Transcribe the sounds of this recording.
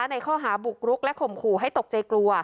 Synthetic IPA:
a˦˥na˧jkʰɔː˥˩ɦaː˩˦bu˨˩k̚ɾu˦˥k̚lɛ˦˥ʔkʰo˨˩mkʰuː˨˩ɦa˥˩jt̪o˨˩k̚t͡ɕa˧jklu˧ɐ

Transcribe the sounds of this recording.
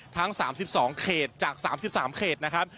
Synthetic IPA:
t̪ʰa˦˥ŋsaː˩˦msi˨˩p̚sɔː˩˦ŋkʰeː˨˩t̪̚t͡ɕaː˨˩k̚saː˩˦msi˨˩p̚saː˩˦mkʰeː˨˩t̪̚na˦˥kʰa˦˥p̚

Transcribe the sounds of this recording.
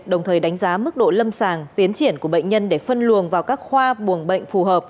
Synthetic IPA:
ɗə˨˩wŋ͡mt̪ʰəː˨˩jɗa˨˦jŋ̟zaː˨˦mɨ˦˥k̚ɗo̰˧˨lə˧msaː˨˩ŋt̪i˨˦ənt͡ɕi˧˩ənku˧˩əɓə̰˧˨jŋ̟ɲə˧nɗe˧˩fə˧nlu˨˩əŋvaː˨˩wkaː˦˥k̚xwaː˧ɓu˨˩əŋɓə̰˧˨jŋ̟fu˨˩ɦəː˨˩p̚

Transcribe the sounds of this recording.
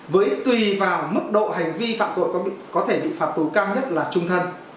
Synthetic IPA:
vəː˨˦jt̪wi˨˩vaː˨˩wmɨ˦˥k̚ɗo̰˧˨ɦa˨˩jŋ̟vi˧fa̰ː˧˨mt̪o̰˧˨jkɔ˨˦˧kɔ˨˦t̪ʰe˧˩ɓḭ˧˨faː˨˩t̚t̪u˨˦kaː˧wɲə˦˥t̚laː˨˩t͡ɕʊ˧ŋ͡mt̪ʰə˧n

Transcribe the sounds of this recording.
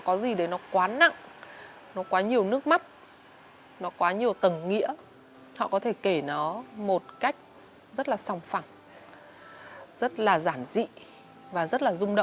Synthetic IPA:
kɔ˨˦zi˨˩ɗe˨˦jnɔ˨˦kwaː˨˦na̰˧˨ŋ | nɔ˨˦kwaː˨˦ɲi˨˩əwnɨ˦˥ək̚ma˦˥t̚ | nɔ˨˦kwaː˨˦ɲi˨˩əwt̪ə˨˩ŋŋḭ˧˥ə | hɔ̰˧˨kɔ˨˦t̪ʰe˧˩ke˧˩nɔ˨˦mo˨˩t̚ka˦˥jk̟̚ | zə˦˥t̚laː˨˩sa˧˩wŋ͡mfa˧˩ŋ | z̥ə˦˥t̚laː˨˩zaː˧˩nzḭ˧˨ | vaː˨˩zə˦˥t̚laː˨˩zʊ˧ŋ͡mɗə̰˧˨ŋ͡m

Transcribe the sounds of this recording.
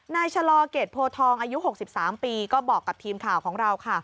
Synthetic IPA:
naː˧jt͡ɕʰa˧lɔː˧keː˨˩t̪̚pʰoː˧t̪ʰɔː˧ŋʔaː˧ju˦˥ho˨˩k̚si˨˩p̚saː˩˦mpiː˧kɔː˥˩bɔː˨˩kːa˨˩p̚t̪ʰiː˧mkʰaː˨˩wkʰɔː˩˦ŋɾa˧wkʰa˥˩

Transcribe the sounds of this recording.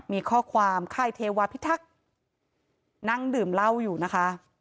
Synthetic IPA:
miː˧kʰɔː˥˩kʰwaː˧mkʰaː˥˩jt̪ʰeː˧waː˧pʰi˦˥t̪ʰa˦˥k̚ | na˦˥ŋdɯː˨˩mla˥˩wjuː˨˩na˦˥kʰa˦˥

